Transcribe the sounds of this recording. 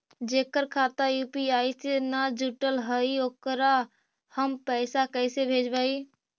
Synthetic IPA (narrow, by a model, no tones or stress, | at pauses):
d͡ʒekəɾkʰat̪ajupiajsenad͡ʒuʈəlɦəiokɾa | həmpəɪsakəɪsebʱed͡ʒbəi